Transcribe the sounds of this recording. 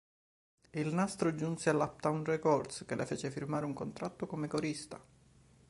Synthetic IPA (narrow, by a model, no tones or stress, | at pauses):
ilnast̪ɾod͡ʒunsealːap̚t̪aunrekɔrd̪skelʔḛfeːt͡ʃefirmaːɾeuŋkont̪ɾat̪ːokomekoɾist̪a